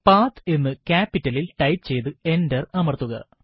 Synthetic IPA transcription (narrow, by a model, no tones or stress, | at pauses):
paːt̪e̞nːɨkaːpːitːɐlilʈɐjpt͡ɕe̞jt̪ɨe̞ndɐrɐmɐrt̪ːuɣɐ̰